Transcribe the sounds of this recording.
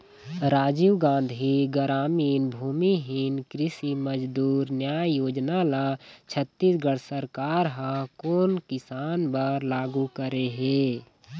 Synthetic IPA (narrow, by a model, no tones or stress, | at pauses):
ɾaːd͡ʒiwɡãːnd̪ʱɦiɡəɾaːmiːnbʱuːmiɦɪnkɾɪsiməd͡ʒd̪uːɾnjaːjjoːd͡ʒnalat͡ʃʰət̪ːisɡəɽsəɾkaːɾɦãkoːnkɪsaːnbəɾlaːɡukəɾeɦeː